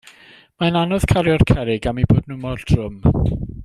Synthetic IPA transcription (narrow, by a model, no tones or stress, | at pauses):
maənanɔð̥kʰaɾjɔrkʰɛɾɪɡamiboːdnʊmɔltʰrʊm